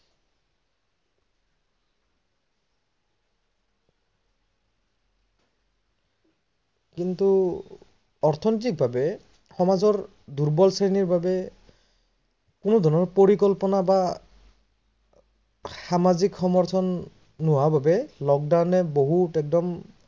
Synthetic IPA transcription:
kintu | ɔɹt̪ʰɔnit̬ik̚bʱabɛ | xɔmazɔɹ | duɹbɔlseniɹbabɛ | kʊnɔd̪ʱɔɹnɔɹpoɹikɔlpɔnaba | xamazikxɔmɔɹt̪ʰɔnː | ʊwabʱabɛlɔk̚dawnɛboɦutɛk̚dɔm

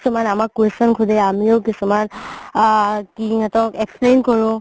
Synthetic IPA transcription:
sumanamakːwesɔnkʰʊdɛamiokisuman | kiŋatɔkɛksplejnkɔɹʊ̃

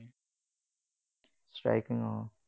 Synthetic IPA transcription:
sʈɹa̰ɪkɪ̃ŋɔːl

